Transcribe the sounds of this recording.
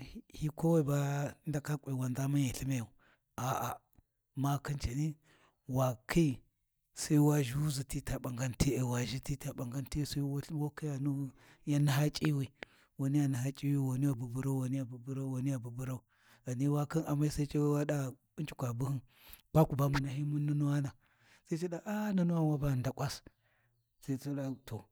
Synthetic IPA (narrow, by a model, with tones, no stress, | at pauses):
hi˦ko˦wa˦i˨ba˦nda˨ka˦kʷʼe˨wa˨nda˦ma˦ja˨ɬi˦ma˦ja˨u˨ | a˨ʔa˨ | ma˦ki˦nt͡ʃa˨ni˦ | wa˨kʰi˦i˦˨ | sa˦i˦wa˦ʒu˦zi˨ti˦ta˨ɓa˨ŋɡa˦nti˦e˨wa˨ʒi˦ti˦ta˨ɓa˨ŋɡa˦nti˦˨sa˦i˦wwo˦ki˦ja˨nu˦ | ja˦na˦ɦa˦t͡ʃʼi˦wi˨ | wa˨ni˦ja˨na˨ɦa˦t͡ʃʼi˦wi˦wa˨ni˦ja˨bu˨bu˦ɾa˦u˦wa˨ni˦ja˨bu˨bu˦ɾa˦u˦wa˨ni˦ja˨bu˨bu˦ɾa˦u˨ | ɣa˨ni˦wa˦ki˦nʔa˨mːa˦i˦sa˦i˦t͡ʃe˦wa˦ɗa˦ɓi˦nt͡ʃi̥˨kʷa˨bu˦hi˦n | b̥a˦ku˨ba˦mu˨na˨ɦi˦mu˦nːu˦nu˦wa˦na˨ | sa˦i˦t͡ʃe˦ɗa˨ʔa˦na˦nu˦wa˦wa˦ba˨nda˨kʷʼa˦s | sa˦i˦i˦ɗa˦to˨